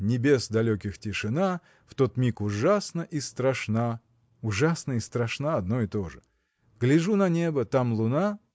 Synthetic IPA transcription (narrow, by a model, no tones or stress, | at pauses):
nʲɪbʲe̞sd̪ɐlʲokʲɪxtʲɪʂɨna | ft̪o̞t̪mʲikʊʐasnəʔist̪ɾɐʂna | ʊʐasnəist̪ɾɐʂnaɐd̪no̞ɪt̪o̞ʐɨ | ɡlʲɪʐunɐnʲebət̪amlˠʊna